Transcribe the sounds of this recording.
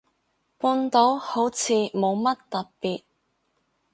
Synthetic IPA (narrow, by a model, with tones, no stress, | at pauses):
puː˧nt̪o˨˥who˨˥wt͡sʰiː˨˧mo˨˧wmɐ˥tt̪ɐ˨ppiː˨t̚